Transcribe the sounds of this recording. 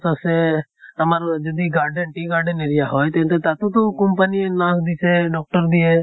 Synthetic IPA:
t̪oseəmaɾd͡ʒɐd̪iɡaːɾɖənʈiɡaːɾɖəneːɾijaɦoːjt̪ẽnt̪et̪at̪ũt̪õkʊ̃mpəninãːsd̪iːseɖɔːk̚ʈəɾd̪ie

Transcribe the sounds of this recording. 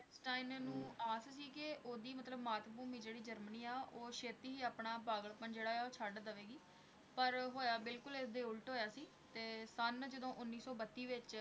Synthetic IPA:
sʈaːɪnnũːaːssiːkɪʔoːd̪iːmət̪ləbmaːt̪buːmiːd͡ʒeːɽiːd͡ʒəɾməniːaːʔoːʃeːt̪iːɦiːaːpɳaːpaːɡəɭpənd͡ʒeːɽaːɛːoːt͡ʃʰaɖd̪əʋeːɡiː | pəɾɦoːjaːbɪlkʊlesd̪eːʊlʈɦoːjaːsiː | t̪eːsənd͡ʒəd̪õːʔʊnːiːsɔːbət̪ːiːʋɪt͡ʃ

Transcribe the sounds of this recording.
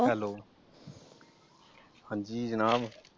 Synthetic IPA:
ɦɛloː | hãːɲd͡ʒiːd͡ʒənaːb

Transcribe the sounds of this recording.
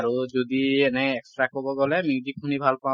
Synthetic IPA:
ɾud͡ʒud̪ienɛeksʈɾakɦobɔɡɔlɛmid͡ʒikʰunibʱalpã

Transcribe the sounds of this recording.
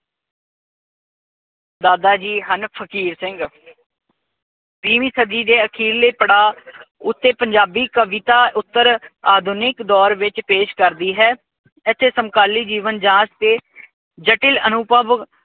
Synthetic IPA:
d̪aːd̪aːd͡ʒiːɦənpʰəkiːɾsɪ̃ŋɡ | pɾiːmiːsəd̪iːd̪eːəkʰiːlːeːpəɽaːʊt̪ːeːpəɲd͡ʒaːbiːkəʋɪt̪aːʔʊt̪ːəɾaːd̪ʱʊnɪkd̪ɔːɾʋɪt͡ʃpeːʃkəɾd̪iːɦɛː | ɪt̪ʰːeːsəmkaːliːd͡ʒiːʋənd͡ʒãːst̪eː | d͡ʒəʈɪlənʊpəʋ

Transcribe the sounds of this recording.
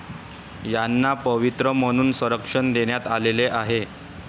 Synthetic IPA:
janːapəʋit̪ɾəm̤əɽ̃uːnsəɾəkʂənd̪eɳjat̪aleleʔaɦe

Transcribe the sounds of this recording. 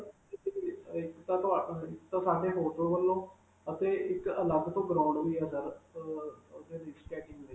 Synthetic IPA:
ɪkt̪ãːt̪aɪkt̪ãːsaːɖeːɦoːʈoːʋəlːõː | ət̪eːɪkələɡt̪õːɡɾãːʊ̃ɳɖɦoiːɛːsəɾ | d̪eːɾisʈɛːʈɪ̃nd̪e

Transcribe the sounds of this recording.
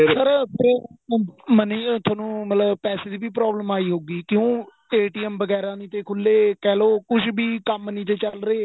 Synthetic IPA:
səɾpəɾ | məniːt̪ʰaːnũːmət̪ləbpɛːseːd̪iːbiːp̬ɾɔːbləmaːiːɦoːɡiːkjõː | eːʈiːɛmʋəɡɛːɾãːnĩːt̪eːkʰʊlːeːkɛːloːkʊʃʰbiːkəmnĩːt͡ʃ̪et͡ʃəlɾəeː

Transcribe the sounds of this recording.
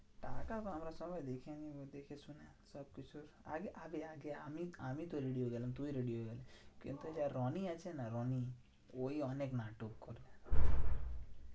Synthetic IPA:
ʈaːkap̪ɦɐmɾasɔbajd̪ekʰiãnĩod̪ekʰesʊne | sɔb̚kʊt͡ʃʰuɾaɡeʔabeaɡeamiamit̪oɾeɖijoɡɛlent̪uiɾeɽijoɡelekḭnt̪ud͡ʒaɾɔniat͡ʃʰenaɾɔni | oiɔneknaːʈokːɔɾbe

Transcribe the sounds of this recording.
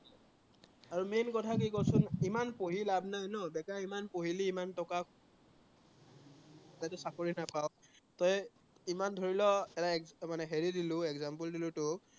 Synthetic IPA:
aɹumenkɔtʰakikosʊnimanpoɦilabʱnajnɔbɛkaimanpoɦiliːmantɔka | atɛsakoɹinapawtɔj | imandʱoɹilɔɛtaɛkmanɛɦeɹidilʊɛɡzampuldilʊtʊ

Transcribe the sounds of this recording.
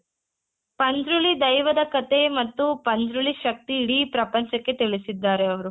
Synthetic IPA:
pɐnd͡ʒ̪ɾuɭid̪ɐjʋɐd̪ɐkɐt̪e̞mɐt̪ːupɐnd̪ɾuɭiʃɐk̚t̪iːɽipɾɐpɐɲt͡ʃɐkːe̞t̪iɭisid̪ːaːɾeɐʋɐɾu

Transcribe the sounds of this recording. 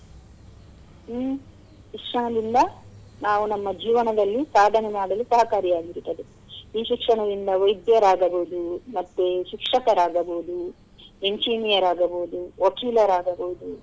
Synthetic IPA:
ikʂaːnɐd̪ind̪ɐ | naːʋunɐmːɐd͡ʒiːʋɐnɐd̪ɐlːisaːd̪ʱɐnɐmaːɽɐlusɐɦɐkaːɾijaːɡiɾt̪ːɐd̪e | iːʃikʂɐɳɐd̪ind̪ɐʋɐjd̪jɐɾaːɡɐboːd̪umɐt̪ːeʃikʂɐkɐɾaːɡɐboud̪u | e̞ɲd͡ʒiːnijɐɾaːɡɐboːd̪uʋɐkiːlɐɾaːɡɐboːud̪u

